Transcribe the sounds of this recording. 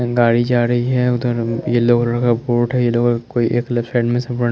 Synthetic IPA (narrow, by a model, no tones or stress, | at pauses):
ɡaːɽid͡ʒaːɾɐɦiɦɛʊd̪əɾjeloːɡɾɐkaboːʈɦɛjeloːɡkoːiʔeːklɛpsaːɖmẽsɐ̃pəɽ